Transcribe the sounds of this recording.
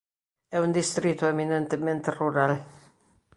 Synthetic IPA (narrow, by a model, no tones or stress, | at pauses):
ɛund̪ist̪ɾit̪ːuɛminɛnt̪əmɛ̃nt̪ruɾal